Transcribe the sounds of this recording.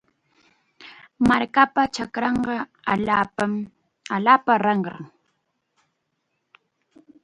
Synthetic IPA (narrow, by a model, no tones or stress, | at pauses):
maɾkapat͡ʃakɾɑɴɢɑ | aa | aʎaːpaɾɑɴɢɑ̰ŋ